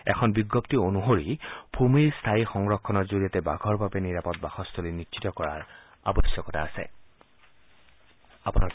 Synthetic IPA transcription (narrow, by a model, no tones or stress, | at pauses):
ɛ̰kʰɔnbiɡːoptionuɦoɹipʰumestʰaixɔŋɹɔkʰːɔnɔɹzoɹiatɛbaɡʱɔɹbabeniɹapɔt̚baxɔstʰolinitːʃitɔkɔɹa̰ɹ | a̰bɔsjɔkɔtʰa̰ːsɛ̰ | apuna